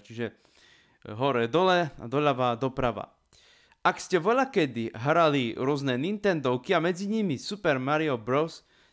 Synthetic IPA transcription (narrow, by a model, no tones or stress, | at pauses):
t͡ʃiʒɛ | ɦɔɾɛːd̪ɔlɛa̰d̪ɔʎaʋaːd̪ɔpɾaʋa̰ | akscɛʋɔʎakɛd̪iɦɾaliɾʊɔznɛːnint̪ɛnd̪ɔʊkiamɛd͡ziɲimisupɛɾmaɾiɔbɾɔʊs